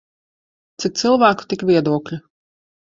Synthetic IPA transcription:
t̪sik̚t̪sɨlˠvæːku̥t̪ikvʲiɛd̪uɔklʲu

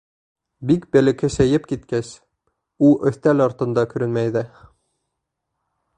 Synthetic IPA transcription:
bik̚bælɘ̆kɘsæjɘpkit̪kæs | uʔɵ̆θt̪ælɑɾt̪ɤ̆nd̪ɑkɵ̆ɾɘnmæjðɘ

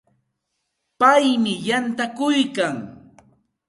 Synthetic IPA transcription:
pajmɪjant̪akʊjkaŋ

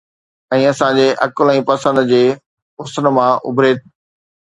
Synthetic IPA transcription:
ɛ̃ːɐsãd͡ʑeːʔɐkʊlɛ̃ːpɐsə̃nd̪d͡ʑeː | ʊsən̆mãʔʊ̰bʱɾeːt̪̚

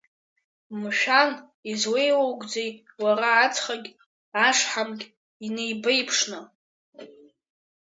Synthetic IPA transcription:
mʃᶣan | izwe̞jwowɡʷʼd͡zejwaɾaːt͡sʰχaɡʲ | aʂħamɡʲʼ | ine̞jbejpʰʂnɨ

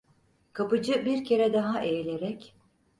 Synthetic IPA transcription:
kʰapɯd͡ʒɯbiɾcʰe̞ɾɛd̪aɦaʔejlʲeɾɛc

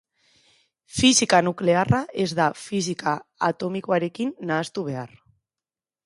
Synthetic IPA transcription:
fisikanukle̞araʔe̞zd̪afis̬ikaːt̪o̞miko̞aɾe̞kinːaːst̪uβ̞e̞ar

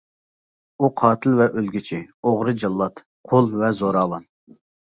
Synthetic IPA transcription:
uqʰɑːt̪ʰɪlvɛʔølɡʲit͡ʃʰioʁɾɨd͡ʒɑlˠːɑt̪ | qʰolˠvɛzoɾɑːlˠɑn

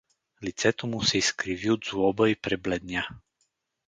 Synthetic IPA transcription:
lit̪sɛt̪omusɛiskɾiviod̪zvɔbəipɾɛblɛd̪nʲa

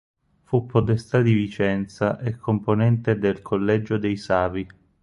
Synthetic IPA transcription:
fupʰːot̪est̪ad̪ivit͡ʃɛnt̪saʔekʰːomponɛnt̪ed̪elkʰolːɛd͡ʒod̪ejsaːvi

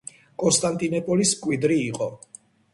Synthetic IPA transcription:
kʼɔnst̪ʼant̪ʼinɔpʼɔliskʼwid̪ɾiːqʼɔ

